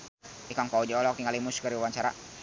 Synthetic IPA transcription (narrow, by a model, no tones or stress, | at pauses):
ikaŋkaud͡ʒaɔlɔk̚t̪iŋalimuskəɾiwaɲt͡ʃaɾa̰